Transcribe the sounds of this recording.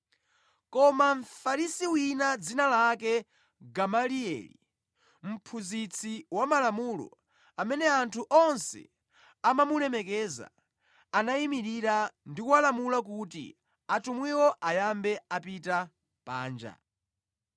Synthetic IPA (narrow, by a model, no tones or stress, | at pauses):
kɔmaɱfaɾisiwinad͡zinalakɛ | ɡamaliɛ̰lḭ | m̩pʰuzit͡sʰiwamalamulɔ̰ | amɛnɛantʰuʔɔnsɛ̰ | amamulɛmɛkɛza̰ | anaimiɾiɾandikualamulak̬utḭ | atumwiwɔʔajambɛapita | pa̰ːnd͡ʒa̰